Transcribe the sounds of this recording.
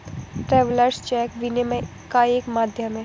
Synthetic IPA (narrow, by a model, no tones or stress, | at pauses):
ʈɾɛːʋləɾst͡ʃɛːkʋinemẽ | kaeːkmaːd̪ʱjəmẽ